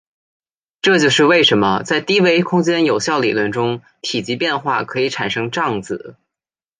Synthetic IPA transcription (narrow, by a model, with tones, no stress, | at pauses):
ʈ͡ʂɤ˥˧t͡ɕjo˥˧ʊʂɻ̩˥˧we˥˩ɪʂə˧˥nmə˧t͡sa˥˩ɪt̪i˥we˧˥ɪkʰʊ˥ŋt͡ɕjɛ˥njo˨˩ʊɕjɑ˥˩ʊlḭ˨˩lwə˥˩nʈ͡ʂʊ˥ŋ | t̪ʰi˨˩t͡ɕi˧˥pjɛ˥˧nxwa˥˩kʰɤ˧˥i˨˧˥ʈ͡ʂʰa˨˩nʂɤ˥ŋʈ͡ʂɑ˥˩ŋt͡sɹ̩˨˩˦